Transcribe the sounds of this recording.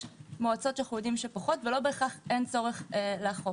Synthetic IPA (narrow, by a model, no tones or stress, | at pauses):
moat͡so̞tʃelχeudimʃepaχo̞tvelo̞beːχaχʔent͡so̞ʁeχeleaχof